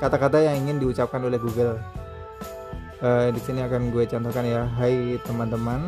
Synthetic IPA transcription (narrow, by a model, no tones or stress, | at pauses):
kat̪akat̪ajaŋiŋɪndiut͡ʃap̚kanolɛhɦɡuɡəl | ədisiniakanɡuet͡ʃɔnt̪okanjaɦajt̪əmant̪əman